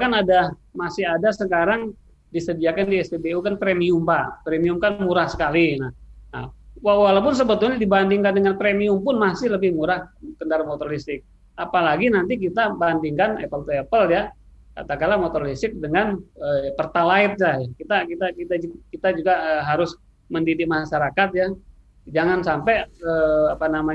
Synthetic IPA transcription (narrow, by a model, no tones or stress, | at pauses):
kanadamasɪɦadasəkaɾaŋ | disədiakandiɛsdebeukanpɾemiʊmbapɾemiʊmkanmuɾahsəkalinahna̰hwawalap̬ʊns̬əbət̪ʊlɲadibandɪŋkandəŋanpɾemiʊmpʊnmasɪhləbɪhmuɾahkəndaɾamot̪ɔrlist̪ɪk̚ | ʔapalaɡinant̪̬ik̬it̪abandɪŋkanɛ̰pəlt̪uepəlja | ka̰t̪akalamot̪ɔrfist̪ɪk̚dəŋanəpərt̪alaɪt̪̚lajakit̪akit̪akit̪ad͡ʒkit̪ad͡ʒuɡaəɦaɾʊs | məndidɪk̚maʃaɾakat̪̚ja | d͡ʒaŋansampɛəapanama